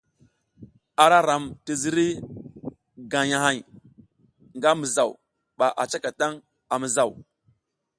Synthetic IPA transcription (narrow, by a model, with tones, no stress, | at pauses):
a˨ɾa˦ɾa˨mti˨zi˦ɾi˦ | ɡa˨ja˨ɦa˦j | ŋɡa˦mi˨za˨w | ɓa˨ʔa˨t͡ʃa˦ka˨ta˦ŋ | a˨mi˨za˨w